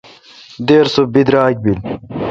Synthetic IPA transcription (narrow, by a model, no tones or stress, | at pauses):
d̪eːɾsobid̪ɾaːk̚bil